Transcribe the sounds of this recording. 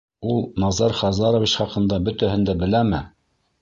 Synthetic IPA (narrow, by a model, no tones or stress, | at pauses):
ulˠnɑzɑɾχɑzɑɾŏvit͡ɕχɑqɤ̆nd̪ɑbɵ̆t̪æhɘ̆nd̪æbɘ̆læmɘ